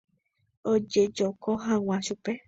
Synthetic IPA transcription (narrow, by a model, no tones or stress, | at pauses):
od͡ʒed͡ʒokoɦãwʷãʃupe